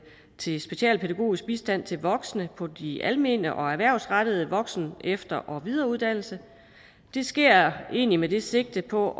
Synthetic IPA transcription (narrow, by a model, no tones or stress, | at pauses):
t͡sʰe̝sb̥e̝ɕɛ̰ːlpʰed̥æɡ̥o̝̰ːisɡ̥̚b̥isd̥æn̰t͡sʰe̝lʋɒ̽ɡ̥sənəpʰɒ̽d̥iʔælme̝ːnəʔɒ̽æʋæɐ̰ʊsʁɑd̥əð̞̩ˠəʋɒ̽ɡ̥snefd̥ɐʔɒʋið̞ˠɐːuðˠd̥æn̰l̩sə | d̥e̝sɡ̥e̝ɐ̰e̝̰ːnimede̝se̝ɡ̥̚d̥əpʰɒ̽